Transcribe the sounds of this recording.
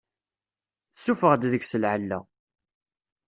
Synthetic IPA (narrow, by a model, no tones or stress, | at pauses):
θsufəʁd̪ðəçsəlʕəlːæ̰